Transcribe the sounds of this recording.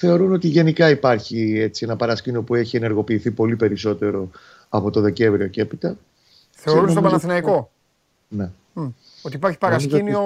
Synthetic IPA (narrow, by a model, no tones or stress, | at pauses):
θe̞o̞ɾuno̞t̪iʝe̞nikɐipɐɾçie̞t͡sie̞nɐpɐɾɐscinio̞pue̞çie̞ne̞ɾɣo̞piːθipo̞lipe̞ɾiso̞t̪e̞ɾo̞ | ɐpo̞t̪o̞ðe̞ce̞ɱvɾio̞ce̞pit̪ɐ | θeoɾunsosopɐnɐθinɐiko̞ | ne̞ | ot̪ipɐɾçi̥pɐɾɐsc̪inio